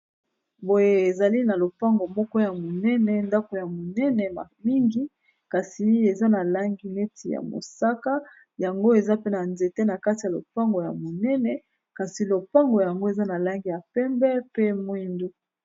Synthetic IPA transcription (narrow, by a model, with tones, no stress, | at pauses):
bo˨je˨e˨za˨li˦na˨lo˨pa˦ŋɡo˨mɔ˦kɔ˦ja˨mo˨nɛ˦nɛ˨nda˦ko˨ja˨mo˨nɛ˦nɛ˨ma˨mi˦ŋɡi˦ | ka˨si˨e˨za˦na˨la˦ŋɡi˦ne˦tʰi˨ja̰˨mo̰˨sa˦ka˦ | ja˨ŋɡo˦e˨za˦pe˦na˨nze˨te˦na˨ka˦ti˨ja˨lo̰˨pa˦ŋɡo˨ja˨mo˨nɛ˦nɛ˨ | ka˨si˨lo˨pa˦ŋɡo˨ja˨ŋɡo˦e˨za˦na˨la˦ŋɡi˦ja˨pɛ˦mbɛ˦pe˦mwi˦ndu˦